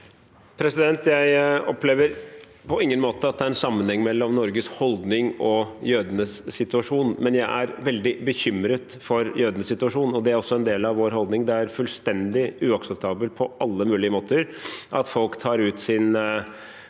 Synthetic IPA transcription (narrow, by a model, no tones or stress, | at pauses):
pʰɾɛsɪd̪ɛnt̪jæɪɔpleːʋəɾ | pʰɔɪŋːənmoːt̪əɑt̪̚d̪ɛæɾɛnsɑmːənhɛŋːmɛlːɔmnɔɾɡəshɔld̪nɪŋɔjøːd̪ənəsːɪt̪ʉɑʂuːnmɛnjæɪʔæɾʋɛld̪ɪbəçʏmɾət̪fɔɾjøːd̪ənəsɪt̪ʉɑʂuːnɔd̪ɛæɾɔsːɔɛnd̪eːlɑʋʋoːɾɦɔld̪nɪŋd̪ɛæɾfʉlst̪ɛnd̪ɪʉːɑksɛp̚t̪ʰɑːbəl̚pʰɔʔɑlːəmʉːlɪəmoːt̪əɾʔɑt̪fɔlkt̪ʰɑːɾʉːt̪sɪn